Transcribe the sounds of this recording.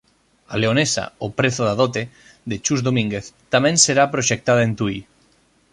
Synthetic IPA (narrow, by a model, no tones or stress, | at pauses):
aleonesa̰opɾeθʊðaðot̪e | ðet͡ʃuzðomĩŋɡeθt̪amɛ̃ŋseɾapɾoʃek̚t̪að̞aent̪ui